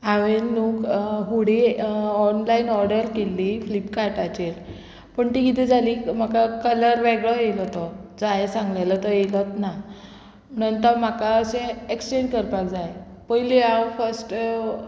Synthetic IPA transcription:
aʋenːuːkɦuɽiɔnlainɔɾɖəɾkelːiflipkaɾʈat͡ɕeɾ | pəɳt̪ikit̪ɛd͡zʱaliːm̤akakələɾʋeɡɭəjelɔt̪ɔd͡zajsãŋɡlajlɔt̪ɔjelət̪na | mñənt̪əɾm̤akaəsẽekst͡ɕenkəɾpakd͡zaje | pəɦileawfəɾsʈ

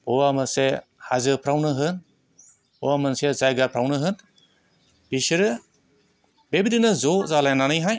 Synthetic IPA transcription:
bɔwamɯsehazɯpʰɾawnɯɦɯn | ɔwamɯnsezajɡapʰɾawnɯɦɯn | b̥isiɾɯ | bebidinɯzɔzalajnanɯjɦaj

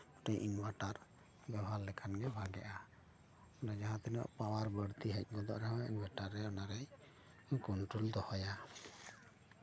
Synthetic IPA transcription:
ɔʈejʔiɲbʱaʈaɾ | bɛbʱallɛkʰanɡɛbʱaɡɛʔa | ɔlad͡ʒaɦãt̪ɛnɔ̰ʔpawaɾbəɾt̪iɦɛc̚ˀɡɔd̪ɔ̰ʔɾɛɦɔ̃iɲbʱaʈaɾːɛɔnaɾɛj | kɔnʈɾuld̪ɔhɔja

